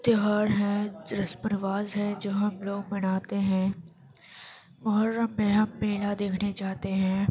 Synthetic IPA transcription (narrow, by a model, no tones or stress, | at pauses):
t̪ɪɦaːɾɦɛ̃ɾɐspəɾʋaːzɦɛ̃d͡ʒoːɦɐmloːɡ̚mɐñaːt̪eɦɛ̃ː | mʊɦəɾːəmːẽɦɐmːeːlad̪eːkʰned͡ʒaːt̪eɦɛ̃ː